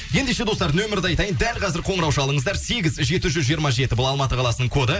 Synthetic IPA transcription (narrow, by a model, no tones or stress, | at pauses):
je̞nd̪e̞ʃe̞d̪o̞st̪ɑɾd̪ənwɵmɪɾɪd̪eɑjt̪ɑjənd̪ælqʰɑzɪɾqʰo̞ɴəɾɑwʃɑlˠəɴəzd̪ɑɾse̞ɡʲɪzʒe̞t̪ɪʒʏzʒijəɾmɑʒe̞t̪ɪbʊlˠɑlˠmɑt̪əqʰɑlˠɑsənəɴkʰo̞d̪ə